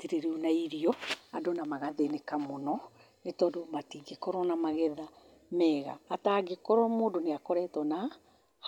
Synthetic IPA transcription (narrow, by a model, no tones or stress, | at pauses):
teɾeɾinaiɾiɔadonamaɣaðenekamonɔ | netɔːdomatiɡekɔɾɔnamaɣɛða | mɛːɣa̰ːtaɡekɔɾɔmoːndoneakɔɾɛtɔna | h